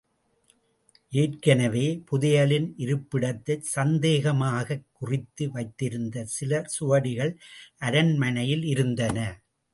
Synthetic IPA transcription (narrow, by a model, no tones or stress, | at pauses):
ʔeːrkɐnɐʋeːpʊðɪjɐlɪnʔɪɾɯpːɪɽɐt̪ːɐsɐnd̪eːɣɐmaːɣɐkːʊrɪt̪ːɯʋɐɪt̪ːɪɾɯnd̪ɐsɪlɐsʊʋɐɽɪɣɐɭʔɐɾɐnmɐnɐjɪlɪɾɯnd̪ɐnɐ